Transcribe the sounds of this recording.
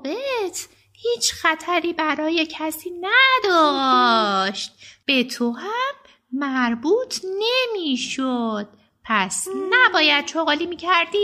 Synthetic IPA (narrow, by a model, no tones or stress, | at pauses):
bet̪ʰ | hiːt͡ʃʰxæt̪ʰæɾiːbæɾɒːje̞cʰæsiːnæd̪ɒ | ʃt̪̚b̥e̞t̪ʰohæmː | æɾbuːt̪ʰne̞miːʃod̪̥̚ | pʰæsnæbɒːjæd̪̥̚ʃoɣɒːliːmiːcʰæɾd̪iː